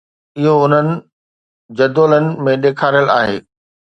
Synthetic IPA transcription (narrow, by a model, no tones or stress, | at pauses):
ɪɦoʊn̤ənɪ̆ | d͡ʑɐd̪oːlənɪ̆mẽɗeːkʰaːɾijəla̰ːɦḛː